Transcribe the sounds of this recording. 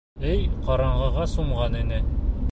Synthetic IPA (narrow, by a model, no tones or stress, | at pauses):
ɘjqɒɾɑɴʁɑʁɑsuɴʁɑninɘ